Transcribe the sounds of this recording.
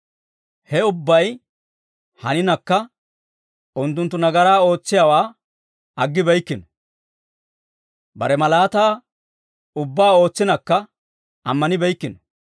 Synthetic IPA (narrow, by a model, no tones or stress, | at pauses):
hɛʊbːɐj | hɐnɪnɐkːɐ | ʊnt̪̬ːʊnt̪ːʊnɐɡɐɾaːo̞ːt͡sːɪjawaː | ɐɡːɪbɛjkːɪnɔ | bɐɾɛmɐlaːt̪aː | ʊbːaːo̞ːt͡sːɪnɐkːɐ | ɐmːɐnɪbɛjkːɪnɔ